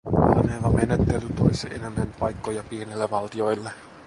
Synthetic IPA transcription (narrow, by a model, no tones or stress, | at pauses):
hɑ̰nelɑmenet̪ːelyt̪ojseʔenenːænpɑjkːo̞jɑpienilːeʋɑlt̪io̞jlːe